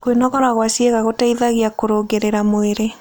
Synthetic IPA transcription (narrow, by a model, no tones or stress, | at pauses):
kwenɔɣɔɾaɣwasjeɣaɣotaiðaɣiakoɾoŋɡeɾeɾamoeɾe